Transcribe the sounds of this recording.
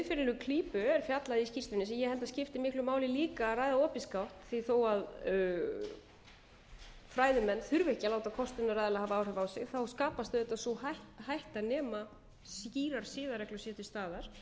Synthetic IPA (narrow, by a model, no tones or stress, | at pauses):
ɪfɪɾɪlʏkʰliːpʏɛɾ̥fjat̪laðɪiscir̥st̪vɪnɪsɛjɛhɛlt̪ascɪft̪ɪmɪhklʏmaːwlɪliːkaːrajðaɔːpiskawht̪θiθowað | fɾaːjðʏmɛnːθʏɾvɪhcalaːwt̪akʰɔst̪ɪnʏɾrajðalahavaaːwr̥ɛvaːwsɪ̰ɣθawskaːpast̪ʏðɛt̪asɔhaht̪hajht̪anɛːma | sciːɾaɾ̥sɪːðaɾɛklasjɛt̪ɪ̥st̪aːðaɾ̥